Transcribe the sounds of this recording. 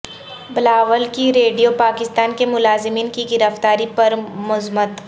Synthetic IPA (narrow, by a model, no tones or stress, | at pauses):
bɪlaːʋəlkiɾeːɖijopaːkɪst̪aːnkemʊlaːzɪmiːnkiɡɪɾəft̪aːɾipɐɾmʊzmət̪